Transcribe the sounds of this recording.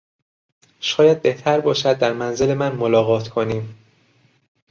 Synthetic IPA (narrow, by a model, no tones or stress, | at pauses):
ʃɒːjæd̪̚be̞ht̪ʰæɾbɒːʃæd̪̚ːæɾmænzele̞mænmolɒːɣɒːt̪ʰkʰoniːm